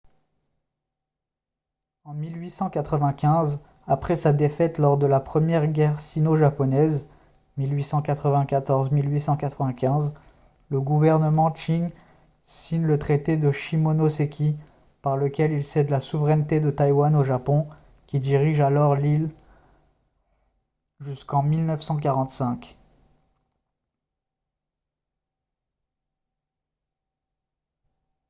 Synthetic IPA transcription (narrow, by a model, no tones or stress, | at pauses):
ɑ̃milɥisɑ̃kat̪χəvɛ̃kʲɛ̃z | apχɛsad̪efɛt̪lɔʁd̪əlapχəmjɛʁɡʲɛʁsinoʒapɔnɛz | milɥisɑ̃kat̪χəvɛ̃kat̪ɔʁzmilɥisɑ̃kat̪χəvɛ̃kʲɛ̃z | ləɡuvɛʁnəmɑ̃t͡ʃiŋ | siɲlət̪χet̪ed̪əʃimonosekʲʰi | paʁləkʲɛlilsɛd̪lasuvʁɛnt̪ed̪ət̪ajwanoʒapɔ̃ | kʲid̪iʁiʒalɔʁlil | ʒyskɑ̃milnəfsɑ̃k̬aʁɑ̃t̪sɛ̃kʲ